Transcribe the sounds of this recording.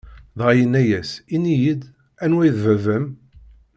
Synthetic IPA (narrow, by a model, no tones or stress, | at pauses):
ðʁajənːæjæsinijid̪ | ænwæjðvævəm